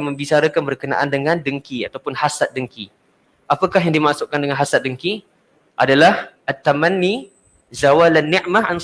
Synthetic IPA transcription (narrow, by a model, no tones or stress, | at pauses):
mə̃mbit͡ʃaɾəkanbərkəna̰ʔandəŋãndəŋkiat̪awpʊnhasat̪̚dəŋki | apakaɦjaŋdimaʔsʊʔkandəŋãnɦasat̪̚dəŋki | ʔa̰dalahʔat̪ːamãnːi | zawalanːiʔmaɦan